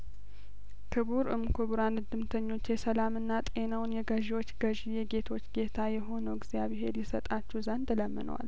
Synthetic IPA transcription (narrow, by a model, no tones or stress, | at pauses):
kʰɨβuɾɨ̰mkʰobuɾanɨd̪ɨmt̪ʰəɲːo̞t͡ʃːjɛsəlamɨnːat̪ʼe̞nawnjɛɡəʒiwo̞t͡ʃːɡəʒijɛɡet̪ʰo̞t͡ʃːɡe̞t̪ʰajɛɦo̞nəwɡzijaβɪɦe̞lːisət̪ʼat͡ʃːɛwzənd̪ləmːɨ̰nə̰wa̰l